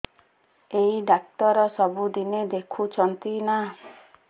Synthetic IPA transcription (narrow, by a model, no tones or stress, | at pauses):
eiɖak̚t̪ɔɾɔsɔbud̪ined̪ekʰut͡ʃʰɔnt̪ina